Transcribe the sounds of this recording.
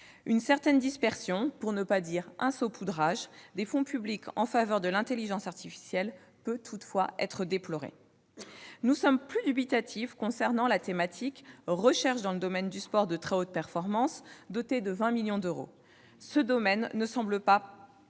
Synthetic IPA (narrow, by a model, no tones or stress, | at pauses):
ynsɛʁt̪ɛnd̪ispɛʁsjɔ̃puʁnəpad̪iʁʔɛ̃sopʰud̪ʁaʒd̪efɔ̃pyblikʰɑ̰̃favœʁd̪əlɛ̃t̪eliʒɑ̃saʁt̪ifi̥sjɛl | pøt̪ʰut̪fwaɛ̰t̪χəd̪eplɔʁḛ | nusɔmplyd̪ybit̪at̪ʰifkɔ̃sɛʁnɑ̃lat̪emat̪ʰikʁəʃɛʁʃd̪ɑ̃ləd̪ɔmɛnd̪yspɔʁd̪ət̪χeot̪̚pɛʁfɔʁmɑ̃sd̪ot̪ed̪əvɛ̃miljɔ̃d̪øʁo̰ | səd̪ɔmɛnːəsɑ̃bləpa